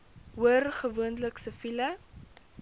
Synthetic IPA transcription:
uərχəvuəndləksəfilə

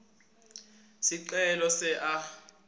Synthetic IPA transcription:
siǀɛlɔsɛʔa

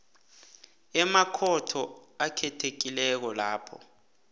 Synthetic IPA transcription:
ɛmakʰɔtʰɔakʰɛtʰek̬ilɛk̬ɔlaːpʰɔ̰

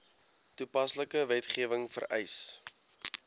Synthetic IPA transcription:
tupɐsləkəvɛtχiəvəŋfə̰rɛ̰js

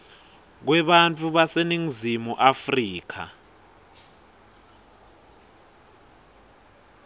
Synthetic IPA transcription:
k̬wɛɓant͡fʼʰuɓaseniŋ̩zimuʔafriːk̬ʰa̰

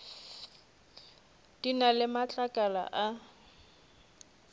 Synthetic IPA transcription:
d̥inalɪmat͡ɬʼakʼala̰ʔa

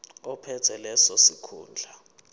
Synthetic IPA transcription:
ɔpʰɛtʰɛlɛsɔsikʰṵːnd͡ɮʱa

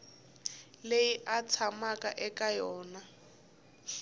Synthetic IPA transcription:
lejiʔat͡sʰamakʼa̰ʔɛkʼajɔːna

